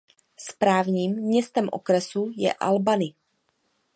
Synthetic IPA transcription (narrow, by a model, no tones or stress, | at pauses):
spɾaːvɲiːmːɲɛst̪ɛmʔo̰kɾɛsujɛ̰ʔa̰lbanɪ